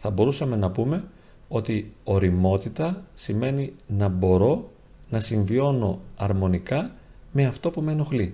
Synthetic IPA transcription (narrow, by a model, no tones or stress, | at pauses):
θɐbo̞ɾusɐme̞nɐpume̞ | o̞t̪io̞ɾimo̞t̪it̪ɐsime̞ninɐbo̞ɾo̞ | nɐsiɱvio̞no̞ɐɾmo̞nikɐ | me̞ɐft̪o̞pumeno̞xli